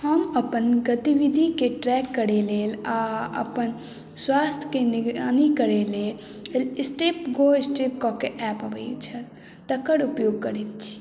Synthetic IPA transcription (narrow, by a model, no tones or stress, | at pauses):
həməpənɡət̪iʋɪd̪ʱikeʈɾɛːkːəɾeleːlaɐ̰pən | swaːst̪ʰjkenɪɡɾaːnikəɾeleː | lɪsʈeːpɡoːɪsʈip̚kokeʔɛːpɐʋəit͡ʃʰɐ | t̪əkəɽʊpjoːɡ̚kəɾit̪̚t͡ʃʰi̥